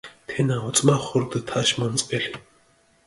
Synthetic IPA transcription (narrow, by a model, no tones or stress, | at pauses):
t̪ʰenaʊt͡smaχʊrt̪ə̆t̪ʰːaʃmɔnt͡speɮe